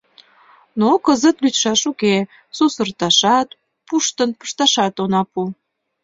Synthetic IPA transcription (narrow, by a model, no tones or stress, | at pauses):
nokəzət̪lyt̪ʃɑʃuke | susərt̪ɑʃɑt̪ | puʃt̪ənpə̥ʃt̪ɑʃɑt̪onɑpu